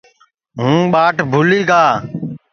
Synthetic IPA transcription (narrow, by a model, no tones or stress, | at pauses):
ɦũːɓaːʈʰbʱʊliːɡaː